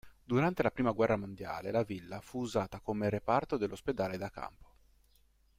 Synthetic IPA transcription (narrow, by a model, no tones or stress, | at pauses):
d̪uɾant̪elapɾiːmaɡwɛrːamond̪ja̰ːlelavilːafuːzaːt̪akomerepart̪od̪elːosped̪aːled̪aka̰mpo̥